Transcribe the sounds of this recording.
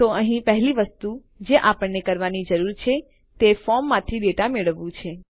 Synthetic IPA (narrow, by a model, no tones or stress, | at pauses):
t̪oəɦĩpəɦliʋəst̪u | d͡ʒeʔapəɳːekəɾʋanid͡ʒəɾuɾt͡ʃʰe | t̪efɔmːãt̪ʰiɖeʈameɭəʋːũt͡ʃʰe